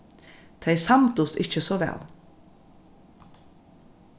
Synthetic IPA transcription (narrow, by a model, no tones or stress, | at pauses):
t̪ʰeɪsamt̪ʊst̪ɪt͡ʃəsɔʋɛ̰ːl